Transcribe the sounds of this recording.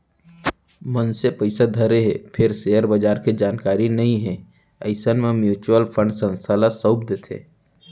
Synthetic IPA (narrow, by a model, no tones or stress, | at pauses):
mənsepəɪsad̪ʱɐɾeɦɛːpʰɪɾseːəɾbɐd͡ʒaːɾked͡ʒaːnkaːɾinɐɦĩɦɛ̃ | əɪsənmẽmjuːt͡ʃuwəlpʰə̃ɳɖsə̃nst̪ʰaːlasəb̚d̪et̪ʰḛ̃ː